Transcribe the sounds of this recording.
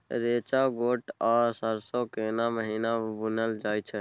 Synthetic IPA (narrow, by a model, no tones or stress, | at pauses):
ɾet͡ʃaɡoʈɔɾsəɾsokenaməɦinabunəld͡ʒajt͡ʃʰɛ